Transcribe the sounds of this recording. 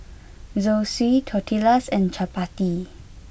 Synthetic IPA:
zoswitʰɔtʰilasɛ̃nt͡ʃʰapati

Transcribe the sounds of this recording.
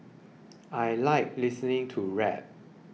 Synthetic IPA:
ajlaɪk̚lisənɪ̃ŋtʰuɹɛ̰p̚

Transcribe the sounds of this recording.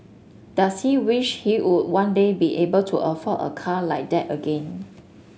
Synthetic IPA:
d̥ashiwiʃhiwud̚wãndebiʔebəltʰuʔəfəə̰kʰalaɪk̚dɛtəɡẽn

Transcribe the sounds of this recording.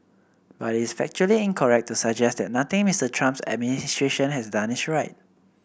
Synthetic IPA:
batitisfɛk̚t͡ʃuəliĩnkʰɔɹɛk̚tusəɡd͡ʒɛsd̪ɛt̚nat̪ɪ̃ŋmistətʰɹãmpsɛ̰d̚ministɹeʃə̃nhɛsdãnisɹaɪt̚

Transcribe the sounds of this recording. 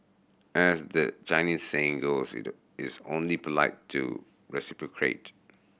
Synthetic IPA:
ʔɛsdət͡ʃãɪnĩsseɪ̃ŋɡosɪ̰ | ɪsõ̰nlipəlaɪttʰːṵ | ɹɛsipɹɔkʰɹḛt

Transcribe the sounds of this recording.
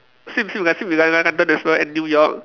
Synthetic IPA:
simsĩmikansimikankankandɔnɛsbɛɛ̃nːjujɔk̚

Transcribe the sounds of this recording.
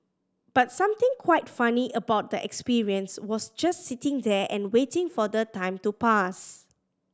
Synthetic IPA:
b̥atsãmt̪ɪ̃ŋkʰwaɪtfaniʔəbaʊt̚dəʔɛ̰kspiɹiə̃nswɔsd͡ʒastsitɪ̃ŋdɛʔɛ̃nwetɪ̃ŋfɔdətãɪ̃mtupas

